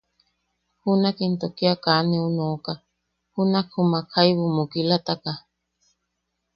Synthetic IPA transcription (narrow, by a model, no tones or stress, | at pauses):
hunakint̪okiakanẽunoka | hunakhumakʰajβumukilat̪aka